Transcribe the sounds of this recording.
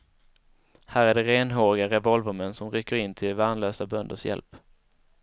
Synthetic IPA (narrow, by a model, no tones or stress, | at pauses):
hæːɾæɖɛɾeːnɦoːɾɪɡaɾɛvɔlvəɾmɛnsɔmɾʏkːəɾɪnːt̪ʰɪlvaːnløːsabœnd̪ə̰ʂjɛ̰lp